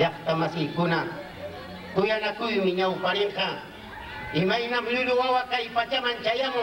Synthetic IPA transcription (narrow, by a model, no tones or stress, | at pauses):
ɑk̚t̪amasɪhkʊna | kʊjanakʊjmɪɲawpaɾɪɴqɑ | ɪmajnamlʊlʊwawakajpat͡ʃamant͡ʃajamʊ